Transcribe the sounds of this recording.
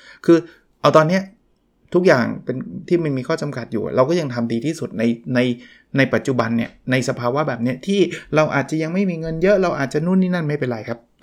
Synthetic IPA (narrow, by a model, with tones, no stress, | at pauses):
kʰɯː˧ | ʔa˧wt̪ɔː˧nːi˦˥ɐ | t̪ʰu˦˥k̚ja̰ː˨˩ŋpe˧nt̪ʰiː˥˩ma˧nmiː˧kʰɔː˥˩t͡ɕa˧mka˨˩t̪̚juː˨˩a̰˨˩ɾa˧wkɔ˥˩ja˧ŋt̪ʰa˧mdiː˧t̪ʰiː˥˩su˨˩t̪̚na˧jna˧j | na˧jpa˨˩t̪̚t͡ɕu˨˩ba˧nːi˥˩ɐna˧jsa˧pʰaː˧wa˦˥bɛː˨˩p̚ni˦˥ɐt̪ʰiː˥˩ɾa˧wʔa̰ː˨˩t̪̚t͡ɕa˨˩ʔja˧ŋma˥˩jmiː˧ŋɤ˧njɤ˦˥ʔɾa˧wʔaː˨˩t̪̚t͡ɕa˨˩nu˥˩˨nːiː˥˩na˥˩nma˥˩jpe˧nɾa˧jkʰa˦˥p̚